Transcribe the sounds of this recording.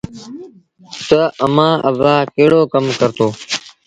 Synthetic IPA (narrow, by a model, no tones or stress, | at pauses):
t̪əəmãːʔəʋãːkeːɽoːkəmkəɾt̪oː